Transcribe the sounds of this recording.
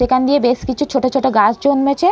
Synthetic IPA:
ekʰand̪ijebeʃkit͡ɕʰut͡ɕʰoʈot͡ɕʰoʈoɡad͡ʑd͡ʑonmet͡ɕʰe

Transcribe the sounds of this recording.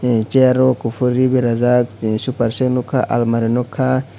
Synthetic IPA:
t͡ʃeɾokufuɾibiɾazaksupaɾʃeknukʰaʔa̰lmaɾinokʰa

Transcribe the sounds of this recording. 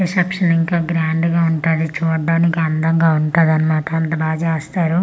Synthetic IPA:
esɐpʂɐniŋkaːɡɾaːɳɖɡaːuɳʈaːd̪it͡ʃuːɽɖaːnikiɐnd̪ɐŋɡaːuɳʈaːd̪ɐnimaːʈɐɐnt̪ɐbaːd͡ʒaɐst̪aːɾu

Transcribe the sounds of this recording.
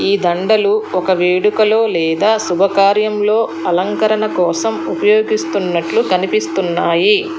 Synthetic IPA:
iːd̪ɐɳɖɐluɔkɐʋeːɽukɐlo̞ːlɛːd̪aːsubʱɐkaːɾjɐmlo̞ːɐlɐŋkɐɾɐnɐkɔːsɐmupɐjoːɡist̪unːɐʈlukɐnipist̪unːaːji

